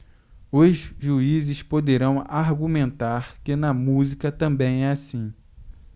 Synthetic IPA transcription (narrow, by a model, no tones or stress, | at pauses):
ʊzʒuizɪspod̪eɾɐ̃w̃aɾɡumẽnt̪aɾkɪnɐmuzikɐt̪ɐ̃mbẽj̃ɛasĩ